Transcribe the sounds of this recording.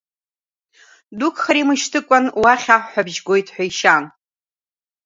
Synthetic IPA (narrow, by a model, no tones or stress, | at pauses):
dukʰʼχaɾimɨʃtʰɨkʷʼanwaχʲaħʷabʒɡʷo̞jtʼħʷᶣaiʃan